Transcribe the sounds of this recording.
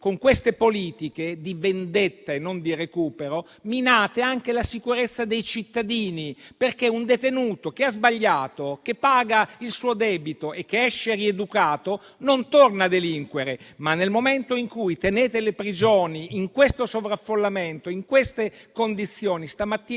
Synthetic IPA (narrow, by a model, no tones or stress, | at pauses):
koŋkwest̪epoliːt̪iked̪ivend̪et̪ːaenːond̪irekuːpeɾo | minaːt̪eaŋk̟elasikuɾet̪sːad̪ejt͡ʃit̪ːad̪iːniperkeund̪et̪enuːt̪ok̟eazbaʎːaːt̪ok̟epːaːɡailsuːod̪ɛːbit̪oʔekːeɛʃːeried̪ukaːt̪o | nont̪ornad̪eliŋkweɾemanːelmoment̪oiŋkujt̪eneːt̪elepɾid͡ʒoːniiŋkwest̪osovɾafːolːament̪oiŋkwest̪ekond̪it̪sːjoːnist̪amat̪ːiː